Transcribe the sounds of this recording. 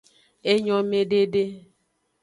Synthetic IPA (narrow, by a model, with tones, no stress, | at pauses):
e˦ɲɔ̃˨mẽ˨ɖe˦ɖe˦